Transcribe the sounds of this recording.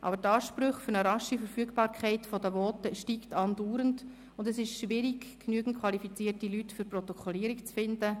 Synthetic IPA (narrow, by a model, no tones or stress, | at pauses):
ʔɑ̰bəɾtɑːʃpɾʏχfʏɾnəɾɑʃifəɾfyəɡbɑːɾkʰɛɪtfɔdəʋɔːtəʃtiːktɑnduːɾənt | ʊndɛsɪʃʃʋɪɾiɡknyəɡn̩t̚kʰwʋɑlifit͡siːrtilytfʏɾprɔt̪ɔkʰɔliːɾikt͡sfɪndə